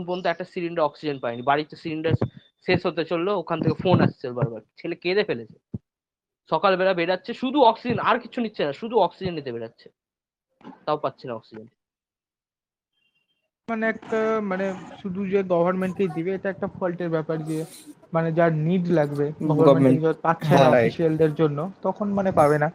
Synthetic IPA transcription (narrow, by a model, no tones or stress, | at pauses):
unpond̪oɛk̚ʈasiliɳɖaɾɔksid͡ʑenpaenibaɽit̪ːosiliɳɖaɾ | sesɦot̪et͡ɕolːookʰant̪ʰekefonast͡ɕʰelbaɾbaɾt͡ɕʰeleked̪efelet͡ɕʰe | ʃɔkalbɛlabeɽatːɕʰeʃud̪ʱuɔksid͡ʑenaɾkiːt͡ɕʰunitːɕʰenaʃud̪ʱuɔksid͡ʑenːit̪ebeɽatːɕʰe̥ | t̪aopatːɕʰenaɔksid͡ʑen | maneɛk̚ʈamaneʃud̪ʱud͡ʑeɡɔbʱaɾmeɳʈked̪ibeeʈaɛk̚ʈapʰolʈeɾbɛpaɾd͡ʑe | maned͡ʑaɾniɖlaɡbeɡɔbaɾmeid͡ʑɔpatːɕʰenaɔafiʃiald̪eɾd͡ʑonːot̪ɔkʰonmanepabena